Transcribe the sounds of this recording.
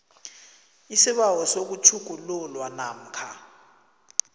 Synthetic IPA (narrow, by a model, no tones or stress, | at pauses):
isiɓawɔsok̬ut͡ʃʰuɡ̥̬ʼʱululwanaːm̩kʰa